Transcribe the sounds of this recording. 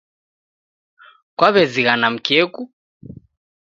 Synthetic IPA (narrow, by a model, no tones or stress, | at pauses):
kwaβɛziɣanam̩kiɛku